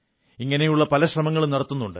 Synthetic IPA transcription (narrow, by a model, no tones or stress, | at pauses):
iŋːɐne̞juɭːɐpɐlɐɕrɐmɐŋːɐɭmnɐrɐt̪ːunːuɳɖɨ̰